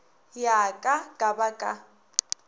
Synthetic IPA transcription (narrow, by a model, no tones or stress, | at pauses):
jakʼakʼabakʼa